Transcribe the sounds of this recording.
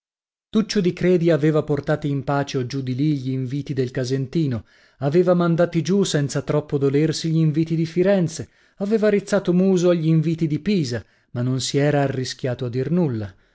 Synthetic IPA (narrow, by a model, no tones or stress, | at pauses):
t̪ut͡ʃːod̪ikɾɛːd̪iaveːvaport̪aːt̪iimpaːt͡ʃeod͡ʒud̪iliʎiɱviːt̪id̪elkazent̪iːno | aveːvamand̪aːt̪id͡ʒusɛnt̪sat̪ɾɔpːod̪olersiʎiɱviːt̪id̪ifiɾɛnt̪se | aveːvaɾit̪sːaːt̪omuːzoaʎːiɱviːt̪id̪ipiːza | manːonsiɛːɾaːrːisk̟jaːt̪oad̪ːirnulːa